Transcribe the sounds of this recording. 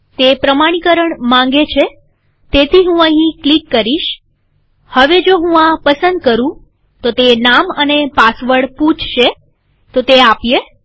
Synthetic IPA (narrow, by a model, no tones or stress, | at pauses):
t̪epɾəmaɽ̃ikəɾəɳmãŋɡet͡ʃʰe | t̪et̪ʰiɦũə̃ɦĩklikːəɾiʃ | həʋed͡ʒoɦũãpəsənd̪̚kəɾũ | t̪ot̪enamənepasʋəɽpũt͡ʃʰʃe | t̪ot̪eapje